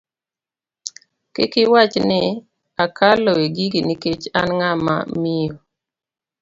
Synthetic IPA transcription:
kɪkɪwat͡ʃnɪ | akʰaloeɡiɡiniket͡ʃanŋama̰mɪjo

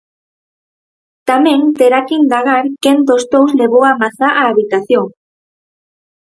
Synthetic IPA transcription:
t̪amẽŋt̪eɾakind̪aɣaɾkend̪ost̪owzleβowamaθaʔaːβit̪aθjoŋ

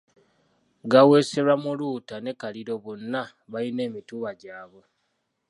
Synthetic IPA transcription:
ɡawe̞se̞ɾwamuluːtane̞kaliɾo̞βonːa | βaline̞ːmituːβaɟaːβo̞

